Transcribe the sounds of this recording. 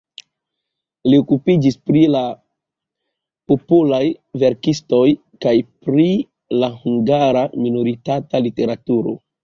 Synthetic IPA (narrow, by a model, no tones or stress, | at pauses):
liokupid͡ʒispɾila | populajve̞ɾkisto̞j | kajpɾi | lahuŋɡaɾaminoɾitatalite̞ɾatuɾo̞̰